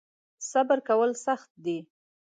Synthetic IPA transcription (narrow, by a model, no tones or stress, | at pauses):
sabəɾkawəlsaxt̪̚d̪i